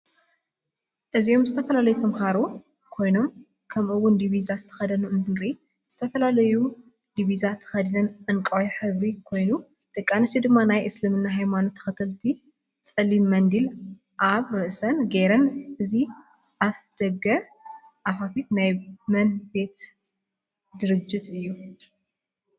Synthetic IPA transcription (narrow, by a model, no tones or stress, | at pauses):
ʔɨzio̞mzɨt̪ʰɐfɐlalɐjut̪ʰɐmxaɾo | kʰo̞jno̞m | kʰɐmʔɨwːʊnd̪iβizazɨt̪ʰɐ̥xɐd̪ɐnuʔɨnd̪ɨɾi | z̥ɨt̪ʰɐfɐlalɐju | d̪iβizat̪ʰɐ̥xɐd̪inɐnʔɨnkʼɐweħɨβɾikʰo̞jnu | t̪ʼɨkʼːanɨsid̪ɨmːanajʔɨslɨmɨnːaɦajmanot̪ʰːɐ̥xɨt̪ʰɨlt̪ʰi | t͡sʼɐlːimːɐnd̪il | ʔaβɾɨʔsɐnɡeɾɐnʔɨzi | ʔafd̪̥ɐɡɐ | ʔafafit̪najmɐnbe̞t̪ | d̪ɨɾɨd͡ʒːɪt̪ɨjːu